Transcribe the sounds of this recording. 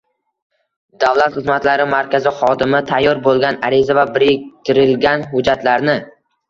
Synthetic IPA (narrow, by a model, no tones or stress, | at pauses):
d̪̥avlat̪χɨzmat̪laɾɪmaɾkʲazɪχɒd̪ɪmɪt̪ʰajːɒɾbolˠɡʲanaɾɪzavabɪɾɪk̚ʲt̪ʰɪɾɪlɡʲanɦʊd͡ʒat̪laɾnɪ